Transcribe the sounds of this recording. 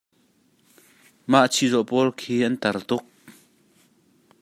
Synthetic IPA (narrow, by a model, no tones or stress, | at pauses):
maʔt͡sʰizɔʔpɔlkʰiːʔɐnt̪ɐrt̪ʊk̚